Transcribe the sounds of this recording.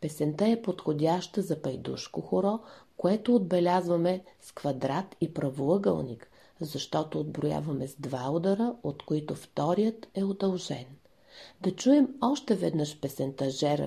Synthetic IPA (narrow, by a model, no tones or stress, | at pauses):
pɛsɛnt̪əɛpot̪xodʲaʃt̪əzɐpɐjd̪ṵʃkoxoɾɔkoɛt̪oːd̪̚bɛlʲazvɐmɛskvɐd̪ɾat̪ipɾɐvolˠəɡə̰lˠnik | zɐʃt̪ɔt̪oːd̪̚bɾʊja̰vɐmɛzd̪vaod̪ɐɾəot̪koit̪ʊft̪ɔɾijət̪ɛod̪ɐlˠʒɛn | d̪ɐt͡ʃuɛmɔʃt̪ɛvɛd̪nɤʃpɛsɛnt̪ɐʒɛɾ̰